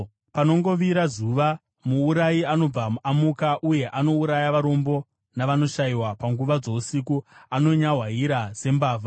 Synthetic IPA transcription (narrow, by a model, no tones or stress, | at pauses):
pano̞ŋɡo̞ʋiɾazuʋa | muːuɾaiano̞b͡vamuamukaʔuje̞ʔano̞uɾajaʋaɾo̞mbo̞ | naʋano̞ʃaiwapaŋɡuʋad͡zo̞usikuano̞ɲaɦwaɦiɾaz̥e̞mbaːva